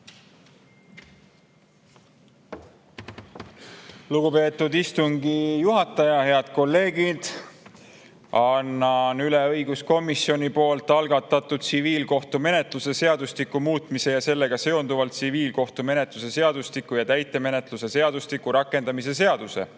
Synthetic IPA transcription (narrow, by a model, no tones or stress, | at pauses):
luɡupe̞ːt̪ːˑud̪ist̪uŋɡ̥ijuɦɑt̪ːˑɑjɑhe̞ɑd̪̥ko̞lːe̞ːɡ̥id̪̥ | ɑnːɑnyle̞ɤjɡ̥usko̞misio̞nʲipo̞ːlt̪ːˑɑlɡ̥ɑt̪ːˑɑt̪ːud̪̥̚siviːlko̞ht̪ume̞ne̞t̪ˑluse̞se̞ɑd̪̥ust̪ikːˑumuːt̪ˑmise̞jɑse̞lːe̞ɡ̥ɑse̞o̞nd̪uvɑlt̪siviːlko̞ht̪ume̞ne̞t̪ˑluse̞se̞ɑd̪̥ust̪ikːˑujɑt̪æjt̪ːˑe̞me̞ne̞t̪luse̞se̞ɑd̪̥ust̪ikːˑuɾɑkˑːe̞nd̪ɑmise̞se̞ɑd̪̥use̞̰